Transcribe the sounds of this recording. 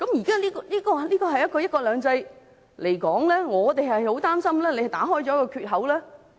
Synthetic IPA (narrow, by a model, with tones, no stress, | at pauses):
kɐ˨˥mjiː˨˩kaː˥liː˥kɔ˧liː˥kɔː˧˨liː˥kɔː˧ɦɐ˨jːɐ˥t̚kɔː˧jɐ˥t̚kɔː˧lœː˨˧ŋt͡sɐ˧j | le˨˩jkɔː˨˥ŋlɛː˥ŋɔː˨˧t̪e˨jɦɐ˨jho˨˥wt̪aː˥msɐ˥mlɛː˥le˧hɐ˨˩jt̪aː˨˥ɦɔː˥jt͡ʃɔː˨˥kɔː˧kʰyː˧t̚ɦɐ˨˥wlɛː˥